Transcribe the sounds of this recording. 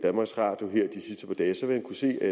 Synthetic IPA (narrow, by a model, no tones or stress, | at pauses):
d̥ænmɑ̈ɡ̥sʁɑ̰̈ːd̥joɦɛɐ̰d̥isisd̥əpʰɒ̽d̥ɛːsɒ̽ʋemænkʰuse̝̰ːæ